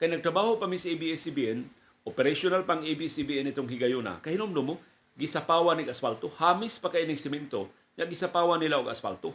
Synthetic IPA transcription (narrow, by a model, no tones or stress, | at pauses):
kajnɐɡ̚t̪ɾɐbaːhopɐmisʔibiɛsibiɛn | ʔopɛɾaʃonalpaŋʔebisibiʔɛnɪt̪oŋɦɪɡɐjona̰kɐhɪnomd̪omo | ɡɪsɐpaːwanɪɡasfalt̪ohaːmɪspakajnɪŋsɪmɛnt̪o | ɲaɡɪsapaːwanɪlaʔoɡɐ̰sfa̰lt̪o